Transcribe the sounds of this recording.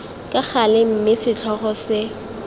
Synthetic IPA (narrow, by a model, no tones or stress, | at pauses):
kʼak͡xalɪm̩mɪsɪt͡ɬʰɔχɔsɪ